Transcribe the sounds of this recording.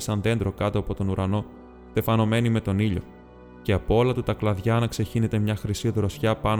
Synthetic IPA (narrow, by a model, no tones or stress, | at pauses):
sɐnðe̞nd̪ɾo̞kɐt̪o̞ɐpo̞t̪o̞nuɾɐno̞ | t̪e̞fɐno̞me̞nime̞t̪o̞niʎo̞̰ | ce̞ɐpoo̞lɐt̪ut̪ɐklɐðʝɐːnɐkse̞çine̞t̪e̞mɲɐxɾisioðɾosçɐpɐn